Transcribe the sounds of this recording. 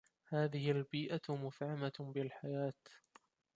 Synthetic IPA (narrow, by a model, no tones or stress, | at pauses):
haːðɪhɪalbiːʔamʊfʕamabɪlħajaːt̪